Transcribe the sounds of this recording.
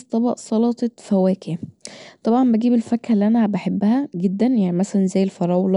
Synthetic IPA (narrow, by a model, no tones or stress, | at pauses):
st̪ˤɑbɑʔsˤɑlɑt̪ˤɑfæwæːkeæt̪ˤɑbʕɑmbæɡiːbelfækhælːiʔænæbæħebːæhæɡed̪ːænjaʕnimæsælænzæːjːelfɑɾˤɑːwl